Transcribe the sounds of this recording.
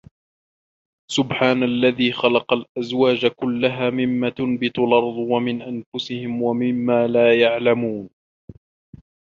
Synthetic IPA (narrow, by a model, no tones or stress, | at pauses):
sʊbħaːnalːaðiːxɑlɑqɑlʔazwaːd͡ʒkʊlːaɦaːmɪmːaːt̪ʊnbɪt̪ʊlɑɾˤd̪ˤwamɪnʔanfʊsɪhɪmwamɪmːaːlaːjaʕlamuːn